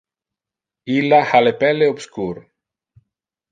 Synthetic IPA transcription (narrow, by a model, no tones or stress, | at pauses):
ilːahalepɛlːeobskuɾ